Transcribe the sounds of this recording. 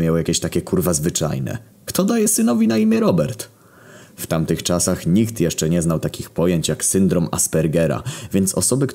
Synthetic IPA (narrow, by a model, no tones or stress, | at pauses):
mʲjawjakʲɛɕt̪akʲɛkʰuɾvazvɘt͡ʂa̰jnɛ̰ | kt̪ɔd̪ajɛsɘnɔvʲinaimʲjɛɾɔbɛɾt̪ | ft̪amt̪ɘxt͡ʂasaxɲikt̪jɛʂt͡ʂɛɲɛznawt̪akʲixpɔjeɲt͡ɕjaksɘnd̪ɾɔma̰spɛɾɡɛɾa̰vʲjɛnt̪sɔ̰sɔbɘk